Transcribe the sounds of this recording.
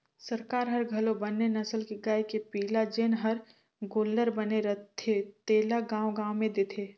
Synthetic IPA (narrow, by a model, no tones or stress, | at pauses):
sɐɾkaːɾɦɐɾɡʱɐlobɐnːenɐsəlkeɡaekepiːlad͡ʒenɦɐɾ | ɡoːlːəɾbɐneɾɐt̪ʰːet̪eːlaɡãːwɡãːwmẽd̪eːt̪ʰeː